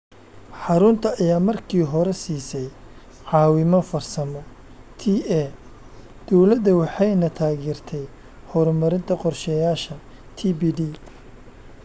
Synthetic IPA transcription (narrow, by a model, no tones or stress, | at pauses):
ħɑɾʊnt̪ʰɐɐjaːmɐrkʰiːɦɔɾɛsiːsɛj | ʕɑːwɪmɔfɐrsɐmɔ | t̪ʰiɛ | d̪̥ɔwlɐd̪ɐwɑħɑjnɐt̪ʰaːɣiːrt̪ʰɛj | hɔɾmɐɾɪnt̪ʰɐqɔrʃɛjaːʃɐ | t̪ʰiːbiːdi